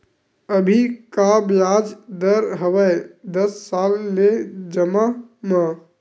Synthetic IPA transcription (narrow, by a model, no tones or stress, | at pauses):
əbʱikabjad͡ʒd̪əɾɦəʋəjd̪əsːalːed͡ʒəmama